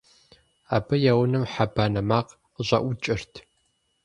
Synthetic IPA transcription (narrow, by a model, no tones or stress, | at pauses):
a̰ːbɐjaːwʊnɨmħabaːnɐmaːq | ʑʷʼɐ̰ʔʷʊt͡ʃʼɪrtʰ